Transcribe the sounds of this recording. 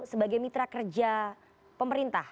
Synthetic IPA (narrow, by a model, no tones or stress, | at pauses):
səbaɡajmit̪ɾakərd͡ʒa | pəməɾint̪ah